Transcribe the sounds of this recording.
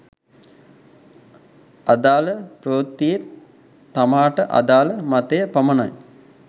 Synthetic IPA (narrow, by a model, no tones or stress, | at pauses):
ad̪aːləproːt̪ːije | t̪ːamaːʈəʔa̰d̪aːləmat̪ejəpɐməna̰j